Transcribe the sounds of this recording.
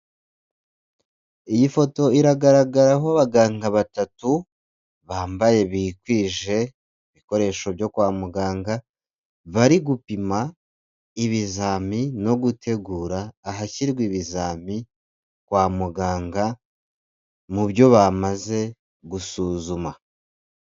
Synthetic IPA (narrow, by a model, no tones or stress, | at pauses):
ijifo̞to̞iɾaɡaɾaɡaɾaɦoaβaɡaːŋɡaβatatu | βaːmbaje̞βikwiːʒe̞ | iβiko̞ɾe̞ʃo̞βjo̞kwaːmuɡaːŋɡa | βaɾiɡupima | iβizaːmino̞ɡutʰe̞ɡuːɾaːɦaciɾɡwiβizaːmi | kwaːmuɡaːŋɡa | muβjo̞βamaze̞ | ɡusuːzuma